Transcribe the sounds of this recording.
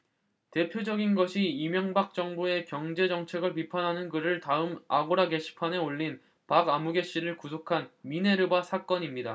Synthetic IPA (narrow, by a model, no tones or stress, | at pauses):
te̞pʰjod͡ʑʌɡinɡʌɕʰiimjʌŋbak̚t͡ɕ͈ʌŋbue̞kjʌŋd͡ʑe̞d͡ʑʌŋt͡ɕʰe̞ɡɯɭp̬ipʰanɦanɯnɡɯɾɯɭtaɯmaɡoɾaɡe̞ɕʰi̥pʰaneoʎːin | paɡamuɡe̞ɕ͈iɾɯɭkusʰokʰanmine̞ɾɯbasʰak͈ʌɲimɲida